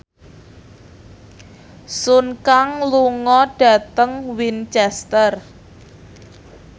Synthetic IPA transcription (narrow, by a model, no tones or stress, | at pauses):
sunkaŋluŋɔɖ̥a̤t̪əŋwint͡ʃɛst̪ər